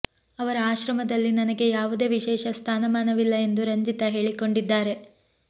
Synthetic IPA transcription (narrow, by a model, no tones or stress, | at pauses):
ɐʋɐɾɐaːʃɾɐmɐd̪ɐlːinɐnɐɡe̞jaːʋud̪e̞ːʋiʃɛːʃɐst̪ʰaːnɐmaːnɐʋilːɐe̞nd̪uɾɐɲd͡ʒit̪ɐɦe̞ːɭiko̞ɳɖid̪ːaːɾe̞